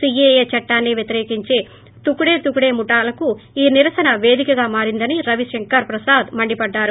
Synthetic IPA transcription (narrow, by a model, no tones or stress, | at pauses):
siejeːt͡ʃɐʈːaːnːiʋjɐt̪iɾeːkiɲt͡ʃe̞ː | t̪ukuɽe̞ːt̪ukuɽe̞ːmuʈaːlɐkuiːniɾɐsɐnɐʋe̞ːd̪ikɐɡaːmaːɾind̪ɐniɾɐʋiʃɐŋkɐɾpɾɐsaːd̪mɐɳɖipɐɖːaːɾu